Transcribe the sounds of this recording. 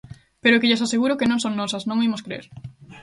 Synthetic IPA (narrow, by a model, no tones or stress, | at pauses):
peɾʊkɪʎes̬aseɣuɾʊkɪnõŋsõŋnɔsɐsnõŋimʊskɾeḛɾ